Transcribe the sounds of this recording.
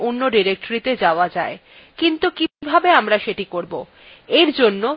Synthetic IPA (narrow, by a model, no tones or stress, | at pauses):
onːoɖiɾek̚ʈoɾit̪ed͡ʑaoad͡ʑae | kint̪ukibʱabeamɾaʃeʈikoɾbo | eɾd͡ʑonːo